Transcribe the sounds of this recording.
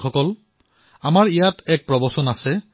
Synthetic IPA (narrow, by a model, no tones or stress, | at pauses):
ɔkɔl | amaɹijatɛk̚pɹɔbɔsɔnasɛ